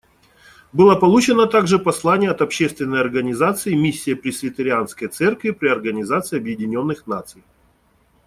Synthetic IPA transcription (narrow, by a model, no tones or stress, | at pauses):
bɨlˠəpɐlˠut͡ɕɪnət̪aɡʐɨpɐslˠanʲɪjəɐt̪ɐpɕːest̪vʲɪnːəjɐrɡənʲɪzat̪sɨɪmʲisʲːɪjəpɾʲɪsvʲɪt̪əɾʲɪanskəjt̪sɛrkvʲɪpɾʲɪɐrɡənʲɪzat̪sɨɪɐbjɪdʲɪnʲo̞nːɨxnat̪sɨj